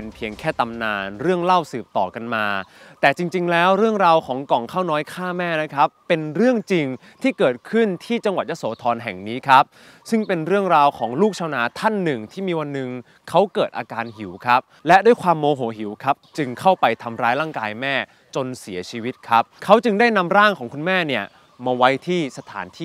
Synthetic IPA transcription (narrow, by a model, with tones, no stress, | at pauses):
pe˧npʰi˧əŋkʰɛː˥˩t̪a˧mnaː˧nɾɯ˥˩əŋla˥˩wsɯː˨˩p̚t̪ɔ̰ː˨˩ka˧nmaː˧t̪ɛː˨˩t͡ɕi˧ŋt͡ɕi˧ŋlɛː˦˥wɾɯ˥˩əŋɾaː˧wkʰɔː˩˦ŋkɔ˨˩ŋkʰaː˥˩wnɔː˦˥jkʰaː˥˩mɛː˥˩na˦˥kʰa˦˥pːe˧nɾɯ˥˩əŋt͡ɕi˧ŋ | t̪ʰiː˥˩kɤː˨˩t̪̚kʰɯ˥˩nt̪ʰiː˥˩t͡ɕa˧ŋwa˨˩t̪̚ja˦˥soː˩˦t̪ʰɔː˧nɦɛ˨˩ŋniː˦˥kʰa˦˥p̚ | sɯ˥˩ŋpe˧nɾɯ˥˩əŋɾaː˧wkʰɔː˩˦ŋluː˥˩k̚t͡ɕʰaː˧wnaː˧˥t̪ʰa˥˩nːɯ˨˩ŋt̪ʰiː˥˩miː˧wa˧nːɯ˨˧ŋ | kʰa˦˥wkɤː˨˩t̪̚ʔaː˧kaː˧nhi˩˦wkʰa˦˥p̚lɛ˦˥du˥˩jkʰwaː˧mːoː˧ɦu˩˦ɦi˩˦wkʰa˦˥p̚t͡ɕɯ˧ŋkʰa˥˩wpa˧jt̪ʰa˧mɾaː˦˥jlaː˥˩ŋkaː˧jmɛː˥˩ | t͡ɕo˧nsi˩˦ɐt͡ɕʰiː˧wi˦˥t̪̚kʰa˦˥p̚kʰa˦˥wt͡ɕɯ˧ŋdaː˥˩jna˧mɾaː˥˩ŋkʰɔː˩˦ŋkʰu˧nmɛː˥˩ni˥˩ɐ | maː˧wa˦˥jt̪ʰiː˥˩sa˧t̪ʰa̰ː˩˦nt̪ʰiː˥˩